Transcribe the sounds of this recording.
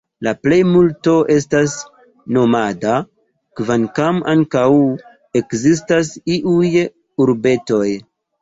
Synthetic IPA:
laple̞jmulto̞ʔe̞s̬tas | no̞mada | kvankamaŋkaw | e̞kzis̬tasiʔuj | uɾbe̞to̞j

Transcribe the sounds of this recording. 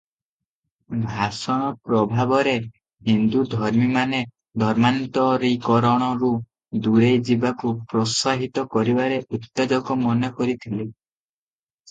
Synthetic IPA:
bʱasɔɽ̃ɔpɾɔbʱabɔɾe | ɦind̪ud̪ʱɔɾmimane | d̪ʱɔɾmant̪ɔɾikɔɾɔɽ̃ɔɾu | d̪uɾejd͡ʒibakupɾɔsaɦit̪ɔkɔɾibaɾeʔut̪ːed͡ʒɔkɔmɔnjɔkɔɾit̪ʰile

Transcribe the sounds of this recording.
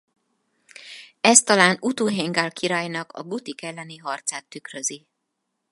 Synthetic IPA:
ɛst̪ɒlaːnut̪uːɦeŋɡaːlkʰiɾaːjnɒkɒ̰ɡut̪ikɛlːɛniɦɒrt̪saːt̪ːykrøzi

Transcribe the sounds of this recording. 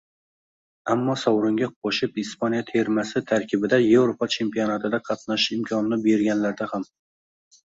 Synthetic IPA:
amːɒsɒwɾʊŋɡʲaqʰoʃɪpɪspanijat̪ʰe̞ɾmasɪt̪ʰaɾkʲʰɪbɪd̪ajewɾopʰɒt͡ʃʰe̞mpijonat̪ʰɪd̪aqʰɑt̪naʃɪmkʰʲɒnɪnɪbe̞ɾɡʲanlaɾd̪aham

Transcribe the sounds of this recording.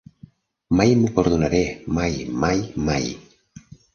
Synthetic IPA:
majmupoɾðunaɾemajmajmaj

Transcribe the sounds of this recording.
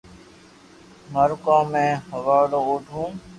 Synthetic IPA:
məɾkãːmẽːhəʋaːlooːʈʰũː

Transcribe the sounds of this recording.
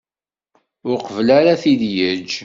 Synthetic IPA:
ʊɾqvlaɾaθiðjəd͡ʒ

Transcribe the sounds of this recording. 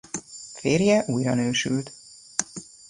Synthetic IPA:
feːrjɛʔuːjrɒnøːʃylt̪

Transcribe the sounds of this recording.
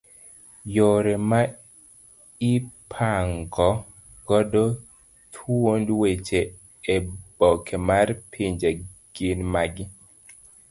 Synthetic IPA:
joɾema | ipʰaŋɡɔ | ɡɔdo | t̪ʰuwondwet͡ʃe | ebɔkʰemarpʰiɲd͡ʒeɡ̥inmaɡɪ

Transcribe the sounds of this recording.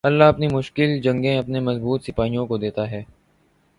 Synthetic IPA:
ɐlːaɦɐpnimʊʃkɪld͡ʒɐ̃ŋɡẽɐpnemɐzbuːt̪sɪpaːijõkod̪eːt̪aɦɛː

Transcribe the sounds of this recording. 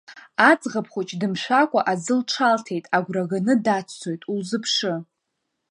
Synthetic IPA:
at͡sʼʁapʰχʷot͡ʃʼdɨmʃʷᶣakʷʼaʔazɨlʈ͡ʂʰaltʰe̞jtʼaɡʷraɡanɨdat͡sʰt͡sʰo̞jtʼulzɨpʰʂɨ

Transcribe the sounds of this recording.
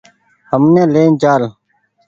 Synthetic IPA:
həmnẽːleːnd͡ʒaːl

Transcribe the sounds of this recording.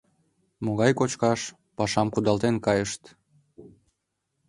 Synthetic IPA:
moɣɑjkot͡ɕkɑʃ | pɑʃɑmkud̪ɑlt̪enkɑjəʃt̪

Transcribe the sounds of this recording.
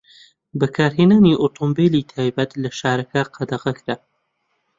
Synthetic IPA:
bɐkʰaːɾɦeːnaːniːʔot̪ʰombeliːt̪ʰaːjbɐt̪lɐʃaːɾɐkaqʰɑd̪ɐʁɐkɾa

